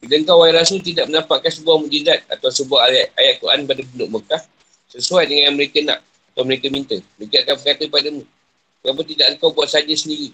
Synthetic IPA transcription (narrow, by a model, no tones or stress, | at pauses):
bidaəŋkawaiɾasəlt̪̬idaʔ̚mənãmpaʔkansəbuahmud͡ʒizat̪̚a̰t̪awsəbuahajaʔajaʔ̪̚kuɾʔa̰npadabulʊʔməkah | səsuajdəŋanməɾekəna̰ʔ̚ | at̪awməɾekəmint̪əməɾekaʔkanbəkat̪əpadəmũ | ŋapət̪idaʔəŋkawbuat̪̚sad͡ʒəsəndiɾi